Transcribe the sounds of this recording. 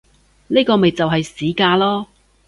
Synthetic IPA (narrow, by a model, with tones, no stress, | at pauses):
niː˥kɔː˧me˨jt͡sɐ˨wɦɐ˨jsiː˨˥kaː˧lɔː˥